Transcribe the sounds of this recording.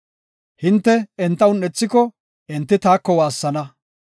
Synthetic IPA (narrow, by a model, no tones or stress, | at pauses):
hɪnt̪ːɛɛnt̪ːɐwʊnɛt͡sːɪkɔ | ɛnt̪ːɪt̪aːkːɔwaːsːɐnɐ